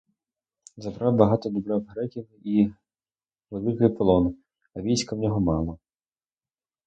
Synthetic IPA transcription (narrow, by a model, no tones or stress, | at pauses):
zɐbɾɑwbɐɦɑt̪ɔd̪ʊbɾɛwɦɾɛkʲiwi | ʋelˠɪkɪjpɔlˠɔn | ɐʋʲijsʲkɐwnʲɔɦɔmɑlˠɐ